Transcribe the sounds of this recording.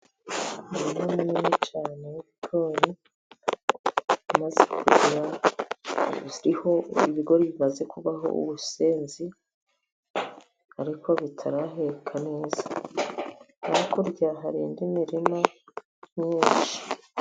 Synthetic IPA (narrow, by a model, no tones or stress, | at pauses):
inamuminit͡ʃaːne̞jiβiɡ̥o̞ːɾi | imaze̞kʰuɾɟiɾa | ɾiho̞iβiɡo̞ɾiβimaze̞kuβaɦo̞̰ʔṵβuseːnzi | aɾikʰo̞βitʰaɾaɦekʰane̞ːzḁ | aɾikʰoɾɟaɦaɾḭːndimiɾima | ɲiːnʃi̥